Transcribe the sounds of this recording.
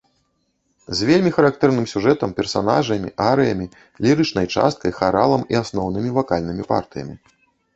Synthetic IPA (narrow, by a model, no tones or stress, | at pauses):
zʲvʲelʲmʲixɐɾakt̪ɛrnɨmsʲuʐɛt̪ɐmpʲɛrsana̰ʐɐmʲḭʔaɾɨjɐmʲi | lʲiɾɨt͡ʂnɐjt͡ʂa̰st̪̚kɐjxaɾalˠɐmiasnɔwnɨmʲivakalʲnɨmʲipa̰rt̪ɨjɐ̰mʲi